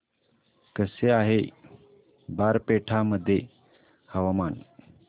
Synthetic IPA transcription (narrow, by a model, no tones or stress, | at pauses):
kəseaɦe | baɾpeʈʰaməd̪ʱːje | həʋaman